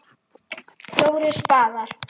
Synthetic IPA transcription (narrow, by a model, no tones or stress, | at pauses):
θjoːwɾɪspaːðaɾ̥